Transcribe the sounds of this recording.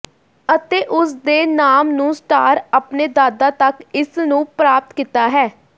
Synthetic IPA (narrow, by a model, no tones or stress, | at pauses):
ət̪eːʔʊsd̪eːnaːmnũːsʈa̰ːɾapneːd̪aːd̪aːt̪əkɪsnũːpɾaːp̚t̪kiːt̪aːɦɛː